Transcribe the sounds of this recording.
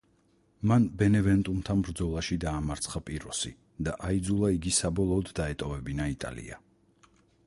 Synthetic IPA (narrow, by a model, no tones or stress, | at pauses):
manbɛnɛvɛnt̪ʼumt̪ʰanbɾd̪zɔlˠaʃid̪aːmaɾt̪sʰχapʼiɾɔsi | d̪aʔaid̪zulˠaiɡisabɔlˠɔːd̪ːaɛt̪ʼɔvɛbinait̪ʼa̰lḭa̰